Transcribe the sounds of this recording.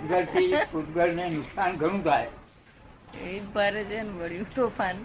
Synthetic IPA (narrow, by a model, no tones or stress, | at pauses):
t̪ɡəɾt̪iput̪ɡəɾnenuksanɡʱəɽ̃ũt̪ae | etbaɾed͡ʒənʋəɭjũt̪ofan